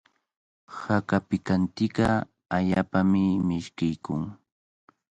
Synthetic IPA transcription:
hakapɪkant̪ɪka | aʎaːpamɪmɪʃkɪjkʊŋ

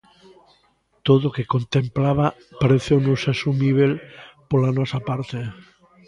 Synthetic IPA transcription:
t̪oð̞okekont̪emplaβa | paɾeθonusesumiβ̞elpolanosapaɾt̪e

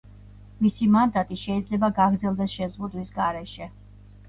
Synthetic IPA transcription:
misimand̪at̪ʼiʃɛid̪zlɛbaɡaɡɾd̪zɛlˠd̪ɛsʃɛzʁud̪wisɡaɾɛʃɛ

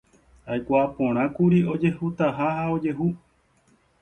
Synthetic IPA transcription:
ajkʷapõ̞ɾ̃ãkuɾio̞d͡ʒe̞hut̪aɦahao̞d͡ʒe̞ɦu

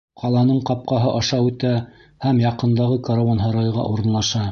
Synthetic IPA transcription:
qʰɑlˠɑnɤɴqɑp̚qɑɦɤʔɑʃɑʉt̪æ | hæmjɑqɤ̆nd̪ɑʁɤkaɾovanɦɑɾɑjʁɑ̰ʔuɾɤ̆nlˠɑʃɑ

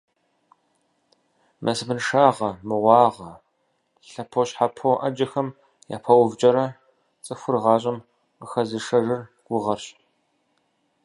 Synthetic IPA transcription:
mʔɐsɨbɨnʂaːʁɐmɨʁʷɑːʁɐ | ɬɐpʰoɕħapʰoʔɐd͡ʒɐxɐm | ja̰ːpʰɐwvt͡ʃʼɐɾɐ | t͡sʼɨfʷʊrʁɑːɕ̬ʼɪm | qəxɐzɨʂɐʒɨrɡ̥ʷʊʁɐrɕ

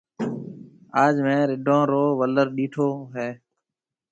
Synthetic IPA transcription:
aːd͡ʒmẽːɾɪɖʱõːɾoːʋələɾɗiːʈʰoːɦeː

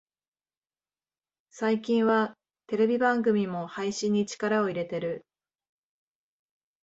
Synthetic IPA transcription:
saikʲĩɰ̃βa | t̪e̞ɾe̞bʲibãŋɡɯ̟mʲimo̞haiɕĩɲ̟ːit͡ɕi̥kaɾao̞iɾe̞t̪e̞ɾɯ̟

